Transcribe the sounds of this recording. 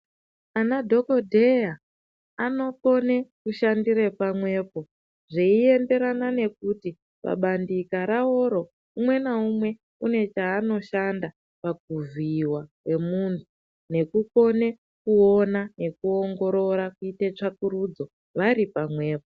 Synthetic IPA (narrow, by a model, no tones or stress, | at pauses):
anadʱo̞kodʱeja | ano̞ko̞ne̞kuʃandiɾepamwe̞ːpo̞ | ʐeie̞mbe̞ɾanane̞k̚uti | pa̰ɓandikaɾao̞ɾo̞ | umwe̞naumwe̞ | une̞t͡ʃaːno̞ʃanda | paɡ̚uviwakwe̞muntʰu | ne̞kuko̞ne̞ | kuonane̞kuo̞ŋɡo̞ɾo̞ɾakuitet͡ʂakuɾud͡zo̞ | ʋaɾipamwe̞ːp̚o